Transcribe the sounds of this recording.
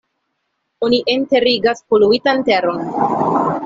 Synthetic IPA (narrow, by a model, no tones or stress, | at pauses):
oniʔente̞ɾiɡaspoluitante̞ɾo̞n